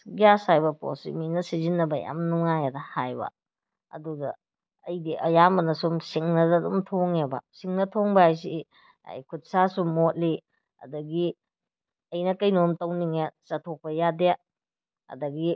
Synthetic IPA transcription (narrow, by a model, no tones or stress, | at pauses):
ɡiasajbɐpo̰sḭminɐsizinːɐbɐja̰mnuŋajadɐhajbɐ̰ | ɐ̰duɡɐ̰ | ɐjdiʔɐjambɐnɐsumsiŋnɐdɐdṵmtʰoŋebɐ̰siŋnɐtʰoŋbɐajs̬i | a̰jkʰut̚sasumot̚li | ɐ̰dɐɡi | ɐjnɐkɐjnomtɐwniŋet͡ʃɐtʰok̚pɐjade | ɐ̰dɐɡi